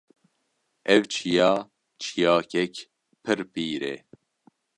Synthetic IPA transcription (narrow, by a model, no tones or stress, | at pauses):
ʔɛwt͡ʃʰijɑː | t͡ʃʰijɑːkɛk | pʰɨɾpiːɾḛ